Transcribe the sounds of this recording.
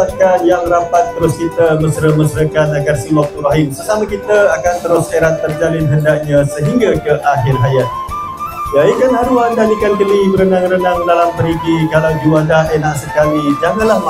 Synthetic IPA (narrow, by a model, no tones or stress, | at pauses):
akanjaŋrapat̪ːəɾʊskit̪əməsɾəməsɾəkanaɡarsiwak̚t̪uɾaɦɪmsəsamakit̪əakant̪əɾʊsaeɾat̪ːərd͡ʒalɪnɦəndaʔ̚ɲãsəɦiŋɡakəʔaɦɪrɦajat̪̚ | jaikanɦaɾuandalikankəlibəɾənaŋɾənaŋdalampəɾiɡikalawd͡ʒuwadaenaʔsəkamid͡ʒaŋanlahm